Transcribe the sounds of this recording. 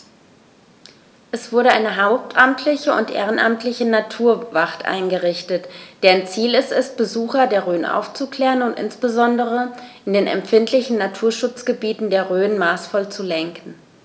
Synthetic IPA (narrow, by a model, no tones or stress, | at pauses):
ʔɛsv̥ʊɐɾəʔaɪnəɦaʊp̚tʰʔamtʰlɪçəʊ̰ntʔḛːʁ̞ənʔa̰mtʰlɪçənatʰuːɐvaχtʔa̰ɪnɡəʁɪçtətd̥ɛːnt͡siːlɛstɛst̚b̥əzuːxɐdeːɐʁøːənʔa̰ʊft͡sukl̥ɛːʁənʊntʔɪ̰nsb̥əzɔndəʁ̞əʔɪndeːnɛ̰mfɪntlɪçn̩natʰuːɐʃʊt͡sɡ̥əbiːtn̩deːɐʁøːənmaːsfɔlt͡sulɛŋkn̩